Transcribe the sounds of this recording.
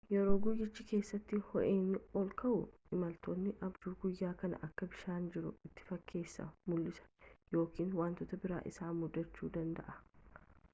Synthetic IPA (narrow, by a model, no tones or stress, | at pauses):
jɛɾo̞ːɡʊjːɪt͡ʃːɪke̞ːsːɐt̪ːɪhɔʔeːnːɪɔlkɐʔʊ̰ | ɪmɐlt̪oːnːɪʔɐbd͡ʒuːɡʊjːaːkɐnɐ̰ʔɐkːɐbɪʃaːnd͡ʒɪɾʊɪt̪ːɪ̥fɐkʰːe̞ːsːɐ̰mʊlːɪsɐ̥jo̞ːkiːnwaːnt̪ɔt̪ɐbɪɾa̰ːʔɪsaːmʊd̪ːɐt͡ʃːuːd̪ɐnd̪ɐ̰ʔɐ̥